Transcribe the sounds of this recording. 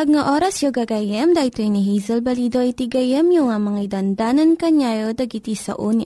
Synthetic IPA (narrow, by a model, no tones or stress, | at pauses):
pɐɡŋaʔoːɾɐsjoɡɐɡɐjɛmd̪ɐʔɪt̪oiniɦizɛlbɐlid̪oʔit̪iɡɐjɛmjoŋɐmɐŋaid̪ɐnd̪aːnɐnkɐɲajod̪ɐɡit̪isɐ̰ʔuni